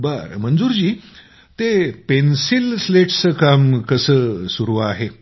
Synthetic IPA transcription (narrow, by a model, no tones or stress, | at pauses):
baɾmənd͡zuːɾd͡ʑiː | t̪epensilsleʈt͡səkamkəsəːsuɾuʋaɦe